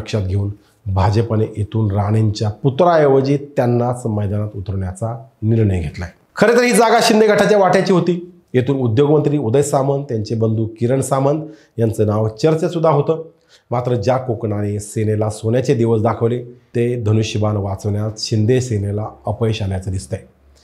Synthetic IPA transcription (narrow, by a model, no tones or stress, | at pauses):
əkɕat̪̚ɡʱeuːn | bʱad͡ʑəpəneʔet̪uːnɾaɽ̃eɲt͡ɕjaput̪ɾaeʋəd͡ʑiːt̪janːat͡sməjd̪anat̪ut̪əɾʋɳjat͡saniɾɳəjɡʱet̪laɦe | kʰəɾet̪əɾɦiːd͡zaɡaɕind̪ʱeɡʱəʈʰat͡ɕjaʋaʈjat͡ɕiːɦot̪iː | jet̪uːnud̪joɡmənt̪ɾiːud̪əjsamənd̪t̪jaɲt͡ɕebənd̪ʱuːkiɾəɳsamənd̪ | jant͡sənaʋt͡ɕəɾt͡ɕesud̪ʱːaɦot̪əː | mat̪ɾəd͡ʑjakokɳanesenelasonjat͡ɕed̪iʋəs̬d̪akʰəʋlet̪ed̪ʱənuɕibanʋat͡səʋɳjat͡s̪ɕind̪esenelaəpəeɕanjat͡səd̪ist̪ae